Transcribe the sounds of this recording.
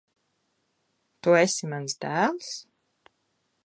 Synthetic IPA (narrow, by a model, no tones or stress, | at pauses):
t̪uesimansd̪æːlˠs